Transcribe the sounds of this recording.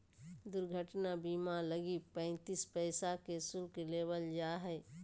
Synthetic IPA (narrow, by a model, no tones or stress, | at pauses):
d̪ʊɾɡʱəʈnabimaləɡipə̃ɪ̃nt̪ispɛɪsakesʊlkeleːʋəld͡ʒaːɦɛ